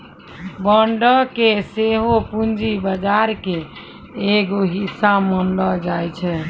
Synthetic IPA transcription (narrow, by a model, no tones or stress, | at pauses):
bəɳɖəkeseɦopund͡ʒibəd͡ʒaɾkeː | ɡoɦisamənləd͡ʒajt͡ʃʰɛ